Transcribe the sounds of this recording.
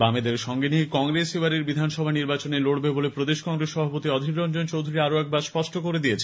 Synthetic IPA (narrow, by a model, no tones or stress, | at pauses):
bamed̪eɾʃɔŋɡeniekɔŋɾesewaɾeɾbid̪ʱanʃɔbʱaniɾbat͡ɕoneloɽbebolepɾod̪eʃkɔŋɾeʃʃɔbʱapot̪iɔd̪ʱikɾɔnd͡ʑont͡ɕowd̪ʱuɾiaɾoɛk̚baɾspɔʃʈokoɾed̪ijet͡ɕʰ